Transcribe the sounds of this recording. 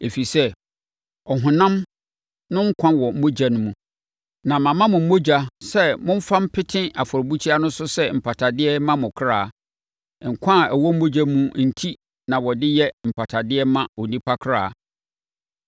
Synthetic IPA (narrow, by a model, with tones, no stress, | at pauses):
e˨fi˨sɛ˦ | ɔ˨ɦʊ̃˨nã˦m | nʊ̃˦ŋ̩˦kʷʰã˦nwɔ˨m̩˦mo˦d͡ʑa˨nʊ̃˦mũ˨ | nã˨mã˨mã˦mʊ̃˨m̩˦o˦d͡ʑa˦sɛ˦mʊ̃˦m˦fã˦m̩˦pʰɪ˦tʰɪ̃˦ʔa˨fɔ˨ɾbu˦t͡ɕʰi˦a˦nʊ̃˦sʊ˦sɛ˦m̩˨pʰa˨tʰa˨dɪ˦ɛ˦mã˦mʊ̃˨kʰɾaː˦˨ | ŋ̩˨kʷʰã˦˨æ˨wɔ˦m̩ː˦o˦d͡ʑa˦mũ˦n̩˨tʰi˦ | nã˨wɔ˨dɪ˦jɛ˦m̩˨pʰa˨tʰa˨dɪ˦ɛ˦mã˦ɔ˨nĩ˦pʰa˦kʰɾa̰ː˦˨